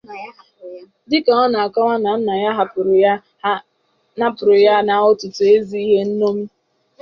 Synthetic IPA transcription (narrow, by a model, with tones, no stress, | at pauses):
dɪ˦ka˨ɔ˦na˨a˨kɔ˦ŋʷa˦na˨n̩˦na˨ja˦ɦa˨pʊ˨ɾʊ˨ja˦ | na˦pʊ˨ɾʊ˨ja˦na˦ʊ˦tʊ˨tʊ˨e˦zi˦i˦ɦe˦n̩˦no˦m̩˦